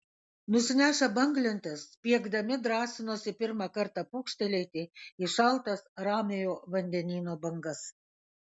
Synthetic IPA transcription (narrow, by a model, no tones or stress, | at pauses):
nʊsʲɪnʲæːʃɐbɐŋɡlʲɪnʲt̪ʲɪspʲiɛɡd̪ɐmʲɪd̪ɾɑːsʲɪnoːsʲɪpʲɪɾmɑkɐɾt̪ɑpukʃʲt̪ʲɛlʲɛɪt̪ʲɪɪʃɐlˠt̪ɐsɾɑːmʲejoːʋɐnʲd̪ʲɛnʲiːnoːbɐŋɡɐs